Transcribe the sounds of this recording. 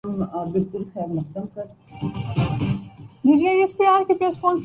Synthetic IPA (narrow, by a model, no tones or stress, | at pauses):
mbɪlkʊlxɛːɾmɐxt̪əmkɐɾ | diːd͡ʒiaiespiːaːɾkepɾeːspɔ̃ːɳf